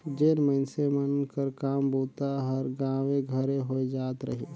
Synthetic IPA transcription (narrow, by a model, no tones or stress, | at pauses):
d͡ʒeːnmənsemənkəɾkaːmboːt̪aɦəɾɡãːwẽɡʱəɾeɦoed͡ʒaːt̪ɾə̰ɦe